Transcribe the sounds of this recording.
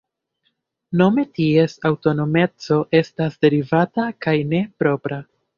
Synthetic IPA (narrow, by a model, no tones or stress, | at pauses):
no̞me̞tie̞sawto̞no̞me̞t͡so̞ʔe̞stasde̞ɾivatakajne̞pɾo̞pɾa